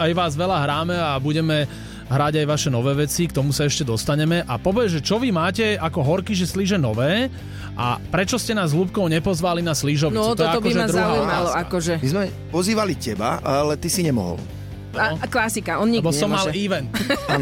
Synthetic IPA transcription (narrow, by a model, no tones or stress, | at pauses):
ajʋaːzʋɛlaɦɾaːmɛabuɟɛmɛ | ɦɾaɟajʋaʃɛnɔʋɛːʋɛt͡sikt̪ɔmusaɛʃcɛd̪ɔst̪aɲɛmɛʔapɔbɛʒɛt͡ʃɔʋimaːcɛakɔɦɔɾkiʒɛsliʒɛnɔʋɛː | ʔa̰pɾɛt͡ʃɔscɛnaːzɦluːp̚kɔʊɲɛpɔzʋalinasliʒɔʋt̪ɔt̪ɔɔɛaɔkɔʒɛazd̪ɾauɦaːujmalɔakɔʒɛmizmɛ | pɔziːʋalicɛba̰alɛt̪isiɲɛmɔ̰ɦɔ̰l | klasikaɔnɲibɔsɔmmːaliːʋɛnt̪an